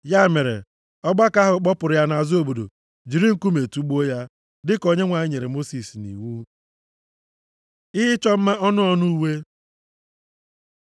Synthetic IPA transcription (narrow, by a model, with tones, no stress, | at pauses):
ja˦˨me˨ɾḛ˨ | ɔ˦ɡ͡ba˦ka˦ɦʊ˨k͡pɔ˦pʊ˨ɾʊ˨ja˦na˨zo˦˨bo˨do̰˨ | d͡ʒi˨ɾi˦ŋ̩˦ku˦me˨tu˦ɡ͡bo˦ja˦ | dɪ˦kɔ˦ɲe˦ŋʷa˨ɲɪ˦ɲe˨ɾe˨mo˦si˨snḭ˨wu˦ | ɪ˦ɦɪ˦t͡ʃɔ˦m̩˦ma˦ʔɔ˦nʊ˦ɔ˦nʊ˦u˦we˦